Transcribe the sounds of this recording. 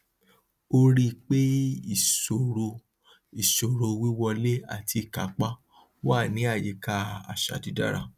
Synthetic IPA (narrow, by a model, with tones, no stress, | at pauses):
o˧ɾi˦k͡pe˦i˦˨so˨ɾo˧ | i˨ʃo˨ɾo˨wi˦wɔ˧le˦a̰˦˨tʰi˧˨ka˨˦k͡pa˦ | wa˦˨nĩ˨˦a˦˨je˨˦ka˦a̰˨ʃa̰˨di˨˦da̰˦ɾa̰˧